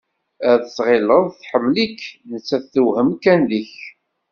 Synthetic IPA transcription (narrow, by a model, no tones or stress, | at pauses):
æðəsʁɪləðˤθħəmːlikːnət͡sːæθθːuwhəmkænliç